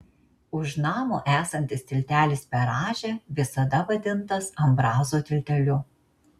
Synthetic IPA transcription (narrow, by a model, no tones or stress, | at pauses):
ʊʃnɑːmo̰ːʔæːsɐnʲt̪ʲɪst̪ʲɪlʲt̪ʲæːlʲɪspʲɛɾɑːʒʲɛʋʲɪsɐd̪ɐʋɐd̪ʲɪnt̪ɐsɐmbɾɑːzoːt̪ʲɪlʲt̪ʲɛlʲʊ